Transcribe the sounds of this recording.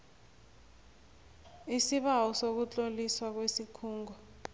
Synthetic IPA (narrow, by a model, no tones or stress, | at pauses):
isiɓawɔsok̬ut͡ɬʼoliswak̬wesikʰuːŋɡɔ